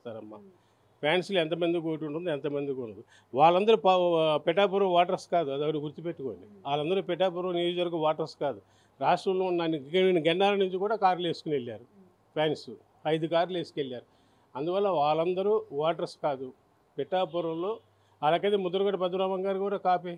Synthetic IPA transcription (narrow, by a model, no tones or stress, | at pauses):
t̪aːɾɐmːa̰ | pʰjaːnsluɛnt̪ɐmɐnd̪ukoʈ̬uɳʈund̪iɛnt̪ɐmɐnd̪ukunːɐd̪u | ʋaːɭɐnd̪ɐɾupɐpɛʈːaːpuɾɐʋaːʈɐɾskaːd̪uɐd̪ɐɡɐɽuɡuɾt̪ipeʈːuko̰ːnd̪iʋaːlɐnd̪ɐɾupɛʈːaːp̬uɾɐ̃lonijoːd͡ʒɐʋɐɾɡuʋaːʈɐɾskaːd̪u | ɾaːʂʈɾɐmlo̞ːunːanininːiɡɐnːaːlɐnuɲt͡ʃikuːɽaːkaːɾle̞ːsu̥kunelːaːɾu | pjaːnsu | ɐjd̪ukaːɾle̞ːsu̥kelːaːɾu | ɐnd̪uʋɐlːɐʋaːɭɐnd̪ɐɾuʋaːʈɐɾskaːd̪u | pɛʈːaːpuɾɐmlo̞ː | ɐlaːk̬ɐt̪emud̪ːɐɾɐɡɐʈipɐd̪ɾaːmɐŋɡaːɾikuɽakaːpe